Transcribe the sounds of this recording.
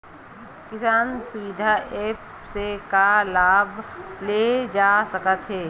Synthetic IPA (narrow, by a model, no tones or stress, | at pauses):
kɪsaːnsʊʋɪd̪ʱaʔeːp | sekalaːbled͡ʒaːsəkət̪ɦeː